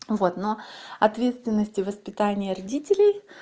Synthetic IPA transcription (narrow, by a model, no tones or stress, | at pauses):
vo̞t̪noɐt̪vʲet̪st̪vʲɪnːəsʲtʲɪvəspʲɪt̪anʲɪjərɐdʲitʲɪlʲɪj